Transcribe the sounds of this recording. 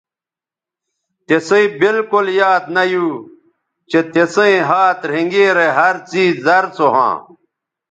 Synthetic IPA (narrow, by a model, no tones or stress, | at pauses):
t̪eseĩbilkoljaːd̪nɐjuː | t͡ɕet̪esẽĩɦaːt̪ɾ̤eŋɡeːɾeɦɐɾt͡siːzːɐɾt͡soɦã̰ː